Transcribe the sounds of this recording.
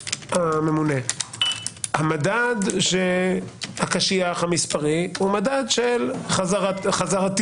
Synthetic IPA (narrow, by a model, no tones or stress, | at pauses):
hame̞mune | hamadad̪ʃehakaʃiaχhamispaʁihumadadʃelχaaʁχazaʁat̪